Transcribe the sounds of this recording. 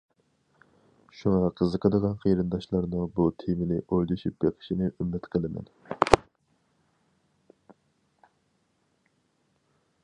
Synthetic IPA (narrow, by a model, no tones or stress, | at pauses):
ʃuŋɑqʰəzəqʰəd̪əʁɑnqʰejɾɨnd̪ɑʃlˠɑɾnɨbut̪ʰimɪnɪʔojd̪uʃypjeqʰə̥ʃinɪʔymːɪt̪qʰəlˠɨmɛ̰n